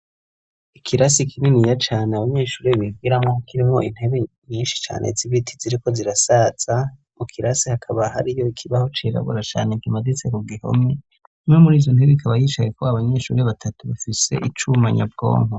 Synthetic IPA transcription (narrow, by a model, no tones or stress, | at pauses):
ikʰiɾasikʰininijat͡ʃaːneaβaɲe̞ːʃuːɾeβibɡiɾamŋokʰiɾimŋo̞̰ʔin̥he̞βe | ɲiːnʃi̥t͡ʃa̰ːnʔe̞̰ziβitʰiziɾiko̞ziɾasaz̥a | mukʰiɾasihakʰaβaha̰ɾijo̞ikʰiβaho̞t͡ʃiɾa̰βṵɾat͡ʃa̰ːneɡimadit͡sekuɡiho̞̰me | imŋemuɾiːzon̥heβeikʰaβajiːt͡ʃajekoaβaɲe̞ʃṵɾeβatʰatuβafise̞̰ʔit͡ʃumaɲab̚ɡo̞̰ːŋo